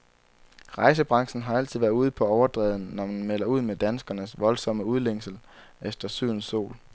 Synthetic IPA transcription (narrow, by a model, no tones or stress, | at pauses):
ʁɑ̈ɪs̬əb̥ʁɑ̈ŋ̰sn̩ɦɑ̈æl̰t͡sʰið̰ˠʋæɐuð̞̰ˠpʰɒ̽ɒʊɐd̥ʁɛ̰ːðˠn̩nɒmænmel̰ɐuð̞̰ˠmed̥ænsɡ̥ɐnəsʋɒ̽lsɒ̽məuð̞ˠleŋ̰sl̩ | efd̥ɐsyð̰ˠn̩so̝̰ːl